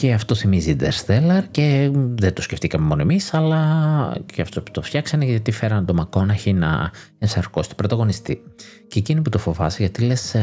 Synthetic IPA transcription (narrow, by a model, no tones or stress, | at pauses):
ceɐft̪o̞θimizid̪eɾsθelɐɾce̞ðent̪osceft̪ikɐmemo̞noemisɐlɐceɐft̪opu̥t̪o̞ft̪çɐksɐneʝʝɐt̪ifeɾɐnt̪o̞mɐko̞nɐçinɐ̰esɐɾko̞st̪o̥bɾo̞t̪ɐɣo̞nist̪i | ceciniput̪o̞fo̞vɐseʝɐt̪ile̞s